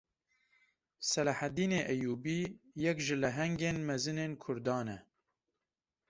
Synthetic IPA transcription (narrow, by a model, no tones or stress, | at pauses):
sɛlaħæd̪iːneːʔɛjuːbiːjɛkʒɨlɛɦɛŋɡeːnmɛzɨneːnkʰʊɾd̪ɑːnɛ